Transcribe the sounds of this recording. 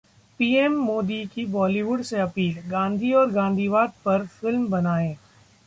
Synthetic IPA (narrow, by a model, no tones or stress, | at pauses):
piːemːoːd̪ikibɔːliʋʊɖseɐpiːlɡãːnd̪ʱiɔːɾɡãːnd̪ʱiːʋaːd̪̚pɐɾfɪlmbɐnaːẽː